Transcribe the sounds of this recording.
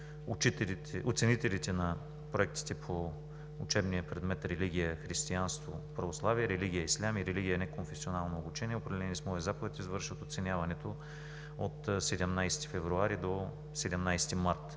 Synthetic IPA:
ut͡ʃit̪ɛl | ʊt̪sɛnit̪ɛlit̪ɛnɐ | pɾoɛk̚t̪i̥t̪ɛpʰoː | t͡ʃɛbnijəpɾɛd̪mɛt̪ɾɛliɡ̟ijəxɾist̪ianst̪vopɾɐvoslˠaviɛɾɛliɡʲijəislʲamiɾɛliɡʲijənɛkonfɛsionalˠnoːbut͡ʃɛniɛopɾɛd̪ɛlɛnismɔvɛzapovɛt̪ʲizvɤɾʃvət̪ot̪sɛnjavɐnɛt̪o | ot̪sɛd̪ɛmnajsɛ̥t̪i̥fɛvɾuaɾid̪o | sɛd̪ɛmnajst̪imaɾt̪

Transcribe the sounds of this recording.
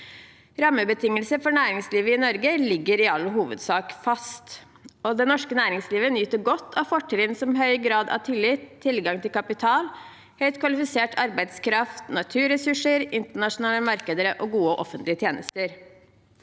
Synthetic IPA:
ɾɑmːəbət̪ʰɪŋːəlsəfɔɳæːɾɪŋsliːʋəɪnɔɾɡəlɪɡːəɾɪɑlːɦuːʋəd̪sɑːkfɑst̪ | ɔd̪ɛnɔʂkənæːɾɪŋsliːʋənjyːt̪əɡɔt̪ʰːɑfɔʈːɪlənsɔmɦœʏɡɾɑːd̪ɑ̰ʋt̪ʰɪlːɪt̪ʰːɪlɡɑŋt̪ʰɪlkʰɑpɪt̪ʰɑːl | hœʏt̪kʰʋɑlɪfɪseːʈʰɑɾbæɪd̪skʰɾɑft̪nɑt̪ʰʉːɾɛsʉʂəɾɪnt̪əɳɑʂʊnɑːləmɑɾkəd̪əɾʔɔɡuːəʔɔfːənt̪lɪət̪ʰjeːnəst̪əɾ

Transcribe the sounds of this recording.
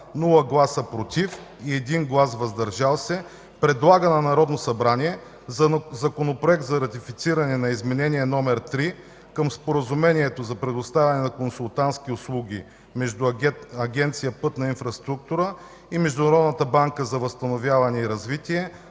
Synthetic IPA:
nulˠəɡlˠasəpɾot̪ʲif | iɛd̪inɡlˠas̬vɐzd̪ɐɾʒalˠsɛ | pɾɛd̪lˠaɡənɐnɐɾɔd̪nosɐbɾanʲiɛ | zɐkonopɾoɛk̚t̪zɐɾɐt̪ifit̪siɾɐnɛnɐizmɛnɛnʲiɛnɔmɛɾt̪ɾi | kəmspoɾəzumɛniɛt̪ozɐpɾɛd̪ʊst̪avʲɐnɛnɐkonsulˠt̪ant̪sk̟iʊslˠuɡʲi | mɛʒd̪uɐɡʲɛnt̪sijəpɤt̪nɐinfɾɐst̪ɾuk̚t̪uɾə | imɛʒd̪ʊnɐɾɔd̪nɐt̪əbaŋkəzɐvəst̪ɐnovʲjavɐnɛiɾɐzvit̪ʲiɛ

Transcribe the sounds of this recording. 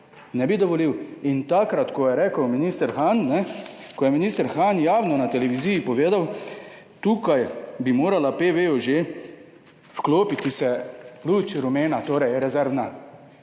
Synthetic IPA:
nɛbid̪ɔʋɔliwint̪aːkɾat̪kɔjɛɾɛːkəwminiːst̪əɾxannɛkɔjɛminiːst̪əɾxanjaːwnɔnat̪ɛlɛʋiziːjipɔʋeːd̪aw | t̪uːkajbimoːɾalapeʋeuʒe | fkloːpit̪isɛlut͡ʃɾumeːnat̪oːɾɛjɾɛzɛɾʋna

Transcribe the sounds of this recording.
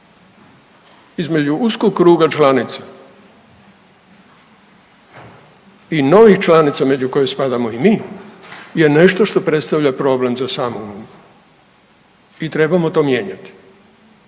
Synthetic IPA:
izme̞d͡ʑuuskoɡkɾuːɡat͡ʃlanit̪sḁ | ino̞ʋixt͡ʃlanit̪same̞d͡ʑuko̞jespad̪amoimiː | jene̞ʃt̪o̞ʃt̪o̞pɾe̞t̪st̪aʋʎapɾo̞ːble̞mzasaːmom | it̪ɾe̞bamo̞t̪o̞ːmje̞ːɲat̪i̥

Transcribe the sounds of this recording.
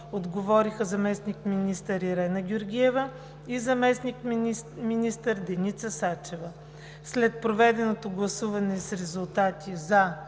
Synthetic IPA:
od̪ɡovɔɾixəzɐmɛsnikminist̪əɾiɾɛnəɡʲoɾɡʲiɛvə | izɐmɛsnikminist̪əɾd̪ɛnʲit̪səsat͡ʃɛvə | slɛt̪̚pɾovɛd̪ɛnot̪oɡlˠɐsuvɐnɛsɾɛzulˠt̪at̪ʰizɐ

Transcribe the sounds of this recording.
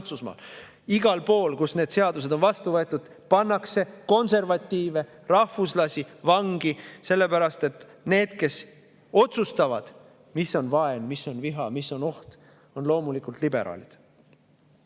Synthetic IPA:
t̪susmɑ̰ːl | iɡ̥ɑlpo̞ːlkusne̞ːd̪̥se̞ɑd̪us̬e̞d̪o̞nvɑst̪uvɤe̞t̪ːˑud̪̥ | pɑnːɑkse̞ko̞nse̞rvɑt̪ʲːiːve̞ | rɑhvuslɑsʲivɑŋɡ̥ise̞lːe̞pæɾɑst̪e̞t̪ːne̞ːd̪̥ke̞s | o̞t̪sust̪ɑvɑd̪̥ | misːo̞nvɑenmisːo̞nviɦɑmisːo̞no̞ht̪ | o̞nlo̞ːmulikˑult̪ˑlibe̞̰ɾʔɑ̰ːlid̪̥

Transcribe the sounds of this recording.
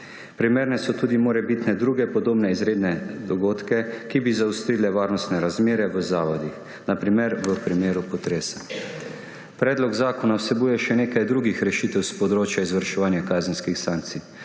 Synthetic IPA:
pɾimeːɾnɛsɔt̪uːd̪imoːɾɛbit̪nɛd̪ɾuːɡɛpɔd̪oːbnɛizɾeːd̪nɛd̪ɔɡoːt̪kɛkibizaust̪ɾiːlɛʋaːɾnɔst̪nɛɾazmeːɾɛʋəzaːʋɔd̪ix | napɾimɛɾʋəpɾimeːɾupɔt̪ɾeːsḁ | pɾɛːd̪lɔɡzaːkɔnawsɛbuːjɛʃɛneːkajd̪ɾuːɡixɾɛʃiːt̪ɛwspɔd̪ɾoːt͡ʃjaizʋəɾʃɛʋaːnjakaːzənskixsãnkt̪si

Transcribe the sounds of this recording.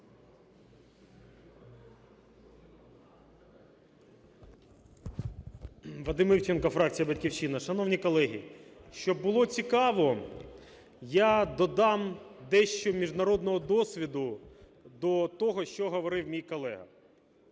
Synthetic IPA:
ʋˠɐd̪ɪmɪwʲtʲinkɐfɾɑk̚t͡sʲijɐbɐtʲkʲiwʃinɐʃɐnɔwnʲikɔlˠɛɦʲḭʃt͡ʃɔbbʊlˠɔt͡sʲikɑʋɔ | jad̪ɔd̪ɑmd̪ɛʃt͡ʃɔmʲiʒnɐɾɔd̪nɔɦɔd̪ɔsʲʋʲid̪ʊ | d̪ɔt̪ɔɦɔʃt͡ʃɔɦɔʋɔɾɪwmʲijkɔlˠɛ̰ɦɐ̰

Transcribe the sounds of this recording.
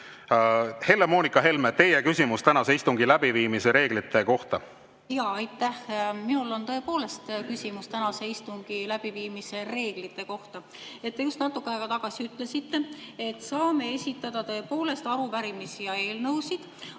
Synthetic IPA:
he̞lːemo̞ːnikːˑɑɦe̞lmet̪e̞jekysimust̪ænɑseist̪uŋɡilæb̥iviːmise̞ɾe̞ːɡ̥lit̪ːˑe̞ko̞ht̪ɑ | jɑɑjt̪ːˑæhminulo̞nt̪ɤ̞e̞po̞ːle̞st̪kysʲimust̪ænɑseist̪uŋɡ̥ilæb̥iviːmise̞re̞ːɡ̥lit̪ːˑe̞ko̞ht̪ɑ | e̞t̪ːe̞just̪nɑt̪ːˑukːˑɑjeɡɑt̪ɑɡ̥ɑsiyt̪ˑle̞sit̪ːe̞e̞t̪ːsɑːme̞esʲit̪ːˑɑd̪̥ɑt̪ɤ̞epo̞ːle̞st̪ɑɾuvæɾimisijɑe̞ːlnɤwsid̪̥

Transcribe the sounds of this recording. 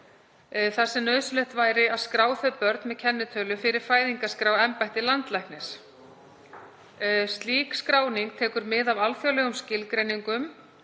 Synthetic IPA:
θasɛmnœːðsʏlɛht̪vaːjɾɪaðskɾaːwθœðpœɾt̪nmɛðcʰɛnːɪt̪ʰœːlʏfɪɾɪɾ̥faːjðiŋkaskɾaːwɛmpajht̪ɪlant̪lajhknɪs | st̪liːkskɾaːwniŋk̚t̪ʰɛːkʏɾmɪðavalfjawlɛɣʏmscɪlkɾejniŋkʏm

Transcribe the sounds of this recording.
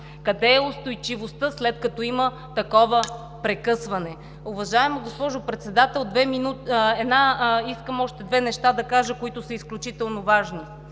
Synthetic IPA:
kɐd̪ɛːost̪ojt͡ʃivost̪əslɛt̪kɐt̪ɔimə | t̪ɐkɔvə | pɾɛkɤsvɐnɛ | ʊvɐʒaɛmoɡospɔʒʊpɾɛt̪sɛd̪at̪ɛlˠd̪vɛminut̪ɛd̪naiskəmɔʃt̪ɛd̪vɛnɛʃt̪ad̪ɐkaʒəkoit̪ʊsəisklʲut͡ʃit̪ɛlˠnovaʒni

